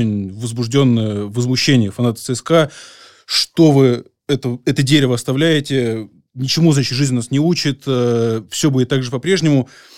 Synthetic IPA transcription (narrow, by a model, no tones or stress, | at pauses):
ɪnʲvəzbʊʐdʲo̞nːəjəvəzmʊɕːenʲɪjəfɐnat̪ə̥sɨɛska | ʂt̪o̞vɨ | ɛt̪əɛt̪ədʲeɾʲɪvəɐst̪ɐvlʲæjɪtʲɪ | nʲɪt͡ɕɪmuznat͡ɕɪt̪ʐɨzʲnʲnasnʲɪut͡ɕɪt̪əfsʲɵbudʲɪt̪ːaɡʐɨpɐpɾʲe̞ʐnʲɪmʊ